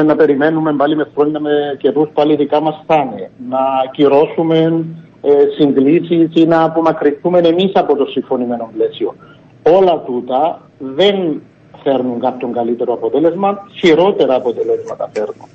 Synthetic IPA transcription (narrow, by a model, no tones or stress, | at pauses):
nːɐpe̞ɾime̞nːume̞mbalime̞fɾo̞ɲɐmece̞ɾuspaliðikamɐsθɐnḛnɐciɾo̞sume̞n | siŋɡlisisinɐpumɐkɾiθume̞ne̞misɐpo̞t̪o̞siɱfo̞nime̞no̞mple̞sio̞ | o̞lɐt̪ut̪ɐ | ðe̞n | fe̞ɾnuŋkap̚coŋɡɐlit̪e̞ɾoɐpo̞t̪ele̞zmɐçiɾo̞t̪e̞ɾɐːpo̞t̪elezmɐt̪ɐfe̞ɾnun